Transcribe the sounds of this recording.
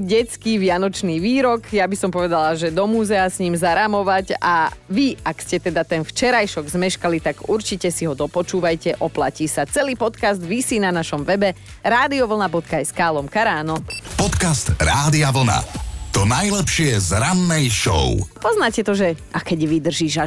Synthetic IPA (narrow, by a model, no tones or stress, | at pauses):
ɟɛt͡skiʋɪanɔt͡ʃniːʋiːɾɔkjabisɔmpɔʋɛd̪alaʒɛd̪ɔmuːzɛasɲiːmzaɾamɔʋaɟaʋiakscɛt̪ɛd̪at̪ɛnft͡ʃɛɾajʃɔɡzmɛʃkalit̪aɡuɾt͡ʃicɛsiɦɔd̪ɔpɔt͡ʃuːʋajcɛʔɔplaciːsat͡sɛliːpɔt̪kazd̪ʋisinanaʃɔmʋɛbɛ | ɾaːd̪iɔʋl̩nabɔt̪kaɛskaːlɔmkaɾaːnɔpɔt̪kast̪ɾaːd̪iaʋl̩na̰t̪ɔnajlɛpʃɪɛzɾanːɛjʃɔ̰ʊpɔznaːcɛt̪ɔʒɛʔakɛɟʋid̪r̩ʒiːʒa